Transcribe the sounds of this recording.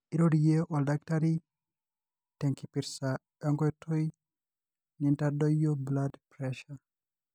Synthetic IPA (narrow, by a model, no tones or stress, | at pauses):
iɾoɾijeʔɔldaktaɾi | tɛŋkipiɾsa | ɔŋɡɔɛtʰoj | nintadɔjobladpɾɛʃa